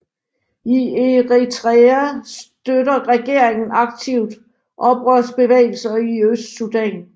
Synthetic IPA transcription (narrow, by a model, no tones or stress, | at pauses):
ie̝ʁit͡sʰʁeæsd̥ødɐʁɛɡ̥e̝ɐ̰eŋn̩ɑ̈ɡ̥̚t͡sʰiʊ̰d̥ | ʔɒ̽b̥ʁœsb̥e̝ʋḛːɪl̩sɐiøsd̥sud̥ɛn